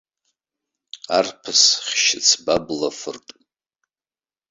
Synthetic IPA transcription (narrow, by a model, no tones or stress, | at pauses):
arpʰɨsχʲʃɪt͡sʰbablafɨrtʼ